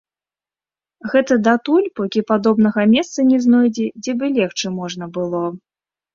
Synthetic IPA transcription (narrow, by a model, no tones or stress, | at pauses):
ɣɛt̪ɐd̪at̪ulʲpɔkʲipad̪ɔbn̪ɐɣɐmʲɛst̪sɐnʲɛznɔjd͡zʲɛd͡zʲɛbɨlʲɛxt͡ʂɨmɔʐnɐbɨlˠɔ